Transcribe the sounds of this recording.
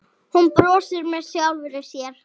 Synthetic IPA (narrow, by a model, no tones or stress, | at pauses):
hunpɾɔːsɪɾmɛðsjawlvɪɾɪsjɛɾ̥